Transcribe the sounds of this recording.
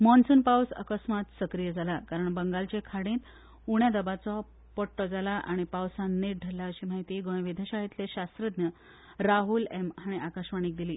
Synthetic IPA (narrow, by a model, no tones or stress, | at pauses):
mɔnsunpawsə̰kəsmat̪səkɾijəd͡zʱalakaɾəɳbəŋɡalt͡ɕekʰaɽĩt̪ | uɳjad̪əbat͡sɔ | pəʈːɔd͡zalaʔaɽ̃ipawsãnːeʈ̚ɖʱəɾlːaəɕiːmaɦit̪iːɡõj̃ʋid̪ʱaɕaɦit̪leɕast̪ɾəd̪njə | ɾaɦulemɦaɽ̃iʔakaɕʋaɽ̃iːk̚d̪iliː